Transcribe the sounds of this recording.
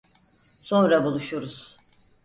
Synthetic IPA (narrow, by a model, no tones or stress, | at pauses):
so̞nɾabulˠuʃuɾuz̥